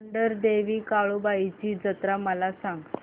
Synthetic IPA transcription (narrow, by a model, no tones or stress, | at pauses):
ɳɖəɾd̪eʋiːkaɭubait͡ɕiːd͡zət̪ɾaməlasãŋɡ